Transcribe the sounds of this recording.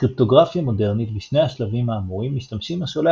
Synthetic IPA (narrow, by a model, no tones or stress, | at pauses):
kʁip̚to̞ɡʁafjamo̞de̞ʁnitbiʃne̞jaʃlavimaːmuʁimːiʃtamʃimaʃole